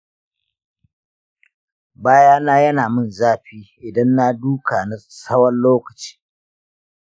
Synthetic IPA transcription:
baː˦jaː˦naː˦jɐ˦naː˨mʊ˦˨nzaː˦ɸiː˦ʔɪ˨dɐ˦nːa˦duː˦kaː˨na˨sɐ˦wɐ˦nloː˦kɐ˨t͡ʃi̥ː˦

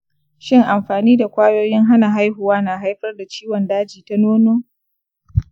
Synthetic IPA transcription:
ʃɪ˦ŋʔa˨mɸaː˨niː˦da˨kʷaː˦joː˦jɪ˦ŋɦa˦na˨ɦa˦jhʊ˨waː˦naː˨ɦa˦jɸɐ˦rda˨t͡ʃiː˦wɔ˨ndaː˦d͡ʒiː˨ta˦noː˦noː˦

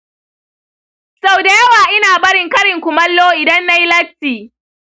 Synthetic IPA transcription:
sa˨wda˨jɐ˦waː˨ʔɪ˦naː˨bɐ˦ɽɪ˨ŋkɐ˦ɽɪ˨ŋkʷʊ˨mɐ˦lːoː˦ʔɪ˨dɐ˦nːa˦ji˦lɐ˦stiː˨

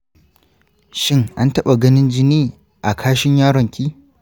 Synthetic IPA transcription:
ʃɪ˦ŋʔa˦ntɐ˦ɓa˨ɡɐ˦nɪ˦nd͡ʒɪ˦niː˦ | ʔa˨kʰaː˦ʃɪ˦ɲjaː˦ɽɔ˨ŋkʲiː˦

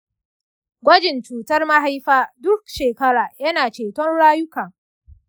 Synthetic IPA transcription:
ɡʷɐ˦d͡ʒɪ˨nt͡ʃuː˨tɐ˦rma˦ɦa˦jɸaː˦dʊ˦k̚ʃeː˨kɐ˦ɾaː˨jɐ˦naː˨t͡ʃeː˨tɔ˦nɽaː˦jʊ˦kɐ˨ŋ

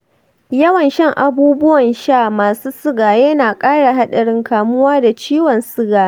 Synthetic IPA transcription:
jɐ˦wɐ˨nʃɐ˦ŋʔa˨buː˦bʊ˦wɐ˨nʃaː˦˨maː˨suː˦sʊ˦ɡaː˨jɐ˦naː˨kʼaː˦ɽa˨ɦa˦ɗɐ˨ɽɪ˦ŋkaː˨mʊ˦waː˦da˨t͡ʃiː˦wɐ˨nsʊ˦ɡaː˨

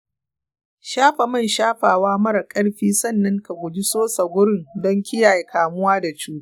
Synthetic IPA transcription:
ʃaː˦ɸa˨mɐ˦˨nʃaː˦ɸaː˨waː˦mɐ˦ɾa˨kʼɐ˦ɽɸiː˦sɐ˦˨nːɐ˦ŋka˨ɡʷʊ˨d͡ʒi˦soː˦sɐ˨ɡʷʊ˦ɽɪ˦ŋdɔ˦ŋkʲɪ˦jaː˨je˦kaː˨mʊ˦waː˦da˨t͡ʃuː˦

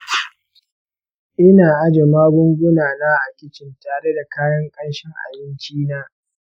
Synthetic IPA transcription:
ʔɪ˦naː˨ʔa˦d͡ʒe˨maː˦ɡʷʊ˦ŋɡʷʊ˦naː˨naː˦ʔa˨kʲɪ˨t͡ʃɪ˨ntaː˨ɽe˦da˨kaː˦jɐ˦ŋkʼɐ˦nʃɪ˦ŋʔa̰˨bɪ˦nt͡ʃiː˦naː˦

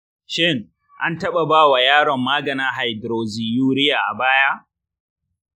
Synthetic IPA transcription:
ʃɪ˦ŋ | ʔa˦ntɐ˦ɓa˨baː˦wa˨jaː˦ɽɔ˨mːaː˦ɡɐ˨naː˦ɦa˨jdɾoː˨ziː˨juː˦ɾɪ˦jaː˨ʔa˨baː˦ja˦

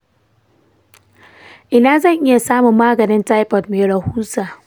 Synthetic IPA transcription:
ʔɪ˦naː˦zɐ˦˨ŋʔɪ˦ja˨saː˦mʊ˨mːaː˦ɡɐ˨nɪ˦nta˦jpɔ˨tmeː˨ɽɐ˨huː˦saː˨

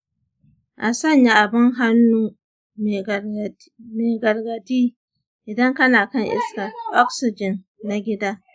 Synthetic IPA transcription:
ʔa˨sɐ˦˨ɲja˦ʔa˨bɪ˦ŋɦa˦nːuː˦ | meː˨ɡɐ˨rɡɐ˨tiː˦ | ʔɪ˨dɐ˦ŋkɐ˦naː˨kɐ˦ŋʔɪ̰˦ska˨ʔɔ˦ksɪ˨d͡ʒɪ˨nː | a˨ɡʲɪ˦daː˦

